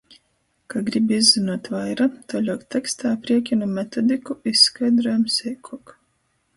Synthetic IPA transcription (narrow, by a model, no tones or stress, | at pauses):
kaɡɾibʲizʲːinuɔt̪vajɾat̪ɔlʲɔkt̪ʲɛkst̪aːpɾiɛkʲinumʲɛt̪ɔd̪ʲikuisːkajd̪ɾɔjamsʲɛjkʰɔk